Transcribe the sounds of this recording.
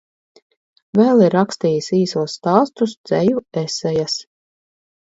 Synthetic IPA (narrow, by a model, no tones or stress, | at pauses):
vɛːlˠiɾːakst̪iːjisiːsuɔsːt̪aːst̪usd̪z̥ɛjuɛsɛjas